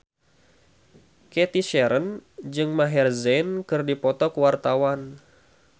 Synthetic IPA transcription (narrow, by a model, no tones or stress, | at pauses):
kɛt̪iʃɛɾənd͡ʒɨŋmaɦɛrzɛnkɨrdipɔt̪ɔkwart̪awan